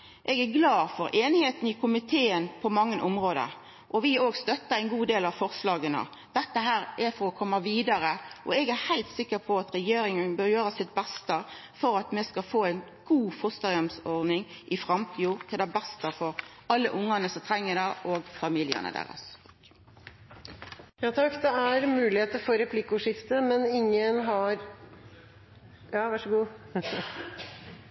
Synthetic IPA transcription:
ʔɛɡæɾɡlɑːfɔɾʔeːnɪheːt̪n̩ɪkʰʊmɪt̪ʰeːənpʰɔmɑŋːənʔʊmɾoːd̪ə̰ɾ | ʔɔʋɪoːɡst̪œt̪ːəæɪnɡuːd̪eːlɑʋfɔʁslɑːɡənə̰ | d̪̥ɛt̪ːəɦæːɾæfɔɾɔkʰɔmːəʋiːd̪ɑɾəʔɔɛɡæhæɪlt̪sɪkːəpʰɔɑt̪ɾɛjeːɾɪŋənbøːɾjøːɾəsɪt̪̚bɛst̪ə | fɔɾɑt̪mɛskɑfoːæɪn | ɡ̥uːfɔst̪əɾɑmsɔɾd̪nɪŋʔɪfʁɑmt̪ʰiːʊt̪ʰɪld̪æbɛst̪əfɔɾ | ɑlːəʔʊŋːɑnəsɔmt̪ʰɾɛŋːəd̪ɑʔoːɡfɑmɪljə̰nə̰d̪æ̰ʁɑ̰s | jɑːt̪ʰɑkːd̪ɛæɾmʉːlɪheːt̪əɾfɔɾɛpʰlɪkːʊʂɪft̪əmɛnɪŋːənɦɑɾ | jɑːʋæʂəɡuː

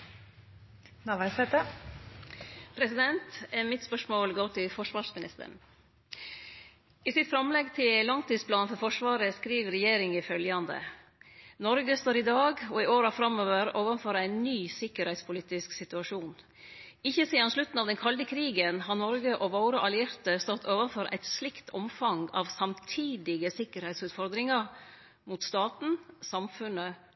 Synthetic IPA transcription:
nɑːʋæɪsɛt̪ə | pʰɾɛsɪd̪ɛnt̪ɛmɪt̪spœʂmoːlɡoːʈʰɪlfɔʂʋɑːʂmɪnɪ̰st̪ə̰ɳ | iːsɪt̪fɾɑmlɛɡt̪ʰɪllɑŋt̪iːd̪spʰlɑːnfɔɾfɔʂʋɑːɾəskɾiːʋɾɛjeːɾɪŋɪfœljɑnd̪ə̰ | nɔɾɡəst̪oːɾɪd̪ɑːɡɔɪoːɾɑfɾɑmoːʋəɾoːʋənfɔɾæɪnnyːsɪkːəɾhɛɪt̪spʰʊliːt̪ɪsksɪt̪ʉɑʂuːn | ɪçːəseːd̪ɑnʂlʉt̪n̩ɑːʋd̪ɛnkʰɑld̪əkʰɾiːɡənɦɑɾnɔɾɡəʔɔʋɑʊɾəʔɑlɪɪɾt̪əst̪ɔt̪ʰːoːʋənfɔɾʔæ̰ɪt̪slɪkt̪ʰɔmfɑŋɑ̰ʋsɑmt̪ʰiːd̪ɪɡəsɪkəɾhɛɪsʉːt̪fɔɾd̪ɾɪŋɑɾ | mut̪st̪ɑːt̪n̩sɑmfʉnə

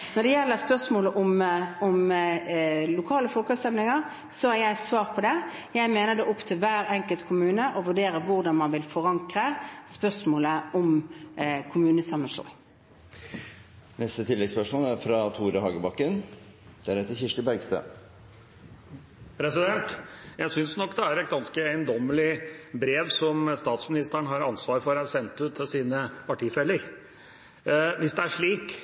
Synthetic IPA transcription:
nɔd̪ɛjɛlːəspœʂmoːləʔʊmʊm | lʊkʰɑːləflɔlkɑsɛmlɪŋɑʁ | sɔhɑɾjæɪsʋɑːʁpʰɔd̪ɛ | jæɪmeːnəd̪ɛʔɔpt̪ʰɪlʋæːɾɛŋkəlt̪kʰʊmʉːnəʔɔʋʉɖeːɾəʋʊʁd̪ɑnmɑnʋɪlfɔʁɑŋkʁəspœsmoːləɔm | kʰʊmʉːnəsɑmːənʂlo̰ːŋ | nɛst̪ət̪ʰɪlːɛɡspœʂmoːlæɾfɾɑt̪ʰuːɾəhɑːɡəbɑkːən | d̪̥ææɾɛt̪ːəçɪʂʈəbæɾɡst̪ø̰ː | pʰɾɛsɪd̪ɛnt̪jæɪsʏnsnɔkːd̪ɛæɾɛt̪̚ɡɑnskəæənd̪ɔmːəlɪbɾeːʋsɔmst̪ɑːt̪smɪnɪst̪əɳɦɑɾɑnsʋɑːɾfɔɾɑsɛnt̪ʉːt̪ʰːɪlsiːnəpɑʈiːfɛlːəɾ | ʋɪsd̪ɛæʂɭiːk

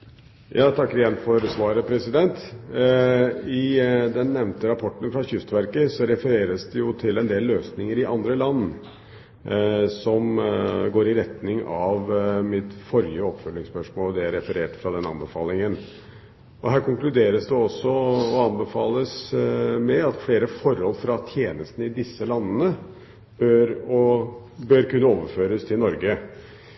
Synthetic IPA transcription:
jɑːt̪ʰɑkːəɾɪjɛnfɔɾsʋɑːɾəpʰɾɛsɪd̪ɛnt̪ | ɪd̪ɛnːɛʋnt̪əɾɑpʰɔʈːənfɾɑçʏst̪ʋæɾkəsɔɾɛfəɾeːɾəsd̪ɛjʊt̪ʰɪlɛnd̪eːlːøːsnɪŋəɾɪʔɑnd̪ɾəlɑnː | sɔmɡoːɾɪɾɛt̪nɪŋɑʋmɪt̪fɔɾjəɔpfœlːɪŋspœʂmoːld̪ɛæɾɛfəɾeːʈfɾɑd̪ɛnɑ̰nbəfɑːlɪŋən | ʔɔɦæːɾkʊŋklʉd̪eːɾəsd̪ɛɔsːɔɔɑnbəfɑːləsmɛɑt̪fleːɾəfɔɾhɔlːfɾɑt̪ʰjeːnəst̪nəɪd̪ɪsːəlɑnːənə | b̥øɾɔ | bøɾkʉnːəoːʋəɾføːɾəst̪ʰɪlnɔɾɡə

